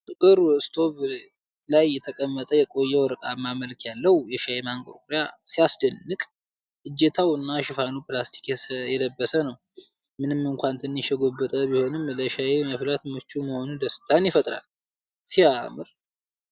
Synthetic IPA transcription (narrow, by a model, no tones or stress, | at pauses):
t̪ʼɨkʼɨɾɨst̪ʰo̞β | lajːɛt̪ʰəkʼəmːət̪ʼəjɛkʼo̞jːɛwɔɾɨkʼamaməlkjalːəhjɛʃajemaŋkʼo̰kʼɾjasijasd̪ənːɨkʼ | ɨd͡ʒːet̪ʰawɨnːaʃɪfanuplast̪ʰi̥kjɛd̪əbːəsənəw | mɨnɨmːɨŋkʷant̪ʰɨnːɨʃɛɡobːɨt̪ʼəbiho̞nɨmləʃajeməflat̪mɨt͡ʃːuməho̞nud̪əst̪ʰanjɪfət̪ʼɾa̰l | siamɨɾ